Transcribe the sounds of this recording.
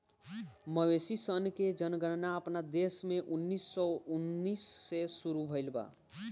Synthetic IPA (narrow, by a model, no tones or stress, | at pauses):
məwesisənked͡ʒənɡəɾnaəpnad̪esmeʔunːisːɔunːisːesuɾubʱəɪlba̰